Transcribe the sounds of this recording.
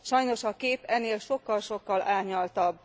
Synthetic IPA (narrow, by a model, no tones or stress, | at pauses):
ʃɒjno̞ʃɒkeːpɛnːeːlʃo̞kːɒlʃo̞kːɒlʔaːɲɒlt̪ɒbː